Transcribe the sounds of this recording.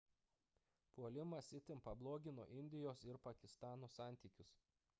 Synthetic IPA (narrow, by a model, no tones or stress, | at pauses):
puɔlʲɪmɐsʲɪt̪ʲɪmpɐblˠoːɡʲɪno̰ːʔɪnʲd̪ʲɪjoːsɪɾpɐkʲɪst̪ɑːnoːsɑˑnʲt̪ʲiːkʲʊs